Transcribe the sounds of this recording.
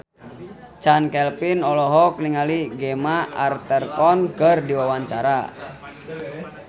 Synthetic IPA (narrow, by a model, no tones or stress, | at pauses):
t͡ʃankɛlpinɔlɔɦɔk̚niŋaliɡɛmaʔart̪ɛrkɔnkərdiwawaɲt͡ʃaɾa